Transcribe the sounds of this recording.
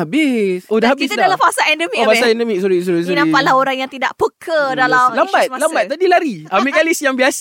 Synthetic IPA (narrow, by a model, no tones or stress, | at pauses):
abɪsʔodahɦabkɪst̪adalamfasaɛndəmiofasaɛndəmik̚suɾis̬uɾisunãipaʔlahoɾaŋjaŋt̪ida̰ʔpəkʰədalalambat̪lambat̪̚ːadilaɾiamikalisjaŋbias